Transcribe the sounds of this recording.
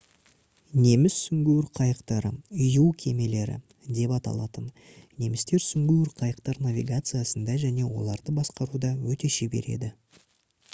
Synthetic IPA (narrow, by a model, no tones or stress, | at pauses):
ne̞mɪsːʏŋɡʲewɪɾqʰɑjəqt̪ɑɾəjuwkʲʰe̞me̞le̞ɾɪ̰ | d̪e̞pɑt̪ɑ̰lˠɑ̰t̪ən | ne̞mɪst̪e̞ɾsʏŋɡʲewɪɾqʰɑjəq̚t̪ɑɾnavʲiɡat̪sɨjasənd̪ɑʒæne̞wo̞̰lˠɑɾd̪əbɑsqɑɾud̪ɑwɵt̪e̞ʃebe̞̰ɾe̞̰d̪ɪ